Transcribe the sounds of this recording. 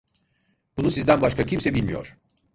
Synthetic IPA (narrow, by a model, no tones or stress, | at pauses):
b̥unusizd̪ænbaʃkacʰimsɛbilʲmijo̰ɾ̥